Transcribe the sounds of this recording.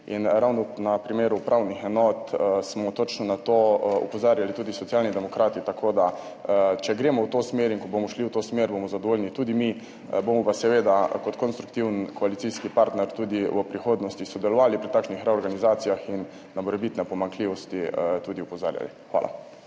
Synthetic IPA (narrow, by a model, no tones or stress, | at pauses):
inɾawnɔnapɾimeːɾupɾʔawnixɛnɔːt̪smɔt̪ot͡ʃnɔnat̪oṵpɔzaːɾjalit̪uːd̪isɔt̪sijaːlnid̪ɛmɔkɾaːt̪it̪akʰoːd̪a | t͡ʃɛɡɾeːmɔwt̪osmeːɾiŋkɔbomɔʃliwt̪oːsmeːɾbomɔzad̪oʋoːlʲjnit̪uːd̪imi | bomɔpasɛʋeːd̪akɔt̪kɔnst̪ɾu̥kt̪iwnkɔalit̪iskipaɾt̪nɛɾt̪uːd̪iʋəpɾixoːd̪nɔst̪isɔd̪ɛlɔʋaːlipɾit̪aːkʃnixɾɛɔɾɡanizaːt̪sijaxinː | amɔɾɛbit̪nɛpɔmaŋkliʋɔst̪it̪uːd̪iupɔza̰ːɾja̰lḭxʋa̰ːlʔa̰